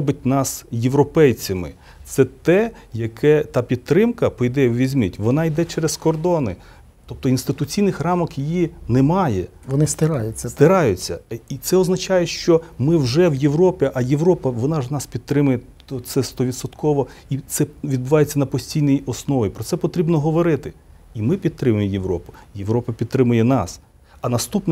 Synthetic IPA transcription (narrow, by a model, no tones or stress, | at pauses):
ɔbʲɪt̚ʲnɑsjeʋɾɔpɛjt͡sʲɐmɪ̰ | t̪sɛt̪ɛ | jɐkʰɛt̪ɑpʲit̪̚ːɾɪmkɐpɔjd̪ɛwʋʲizʲmʲitʲʋɔnɑid̪ɛt͡ʃɛɾeskɔrd̪ɔnɪ | t̪ɔp̚t̪ɔinst̪ɪt̪ʊt͡sʲijnɪxrɑmɔkjijinɛmɑjɛ | ʋɔnɪst̪ɪɾɑjʊt͡sʲːɐst̪ɪɾɑjʊt͡sʲːɐit̪sɛɔznɐt͡ʃɑjɛʃt͡ʃɔmɪwʒɛwjewɾɔpʲɪʔɐjeʋɾɔpɐʋɔnɑʒnɑspʲid̪t̪ɾɪmʊjɛ | ɔsɛst̪ɔʋʲid̪sɔt̪kʰɔʋɔit̪sɛʋʲid̪̚bʊʋɑjet͡sʲːɐnɐpɔsʲtʲijnɛjɔsnɔʋɐjpɾɔt̪sɛpɔt̪ɾʲibnɔɦɔʋɔɾɪt̪ɪ | imɪpʲid̪̚t̪ɾɪmʊjɪmjeʋɾɔpʊ̥jeʋɾɔpɐpʲid̪̚t̪ɾɪmʊjɛnɑs | ɐnɐst̪upn